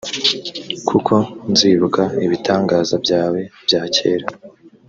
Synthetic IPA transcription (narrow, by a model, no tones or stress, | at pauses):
kʰukʰo̞nziːβukaiβitaːŋɡaːzabɟaːwe̞b̥jaːce̞̰ːɾa